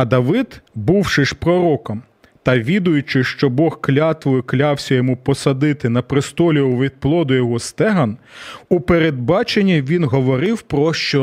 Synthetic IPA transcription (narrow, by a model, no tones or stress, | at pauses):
ɐd̪ɐʋɪd̪̥buwʃɪʃpɾɔɾɔkɔm | t̪ɐʋʲid̪ʊjʊt͡ʃɪʃt͡ʃɔbɔxklʲɑt̪ʋʊjɪklʲɑwsʲɐjɔmupɔsɐd̪ɪt̪ɪnɐpɾɪst̪ɔlʲiʊʋʲid̪̚plˠɔd̪ʊjɔɦɔst̪ɛɦɐnupeɾed̪̚bɑt͡ʃenʲːiʋʲinɦɔʋɔɾɪwpɾɔʃt͡ʃɔ